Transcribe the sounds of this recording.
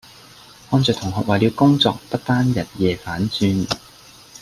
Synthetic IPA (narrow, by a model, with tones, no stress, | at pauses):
hɔː˧nt͡sœː˨kt̪ʰʊ˨˩ŋɦɔː˨k̚waː˨li˨˧wkʊ˥ŋt͡sɔ̰ː˨k̚pɐ˥t̚t̪aː˥njɐ˨˩t̚jɛː˨faː˨˥nt͡syː˧n